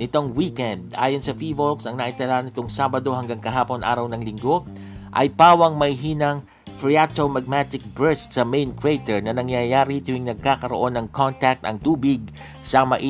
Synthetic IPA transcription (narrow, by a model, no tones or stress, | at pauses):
nɪt̪o̞ŋwiːkɛnd̪ʔa̰ːjonsɐfivolksɐŋnaʔit̪ɐlanɪt̪o̞ŋsaːbɐd̪o̞ɦɐŋɡaŋkɐɦaːpo̞nʔa̰ːɾɐwnɐŋlɪŋɡo̞ | ʔɐjpaːwɐŋmɐjɦiːnɐŋ | fɹiat̪omɐɡ̚mat̪ɪk̚bɛɹst̪sɐmejnkɾejt̪ɛɹnɐnɐŋjajaːɾit̪ʊhɪŋnɐɡ̚kaːkɐɾoʔo̞nːɐŋkʰont̪ak̚t̪ɐ̰ŋt̪uːbɪɡ̚ | sɐmɐʔi